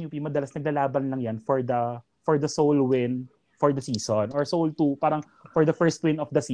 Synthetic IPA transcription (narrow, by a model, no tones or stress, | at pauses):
ɲupimɐd̪ɐlasnɐɡ̚lalaːbɐnlɐŋjanfɔɹd̪ɐ | fɔɹd̪ɐsowlwɪn | fɔɹd̪ɐsiːsonɔɹsowlt̪upaːɾɐŋ | fɔɹd̪ɐfɛɹst̪̚wɪ̃nɔfd̪ɐsi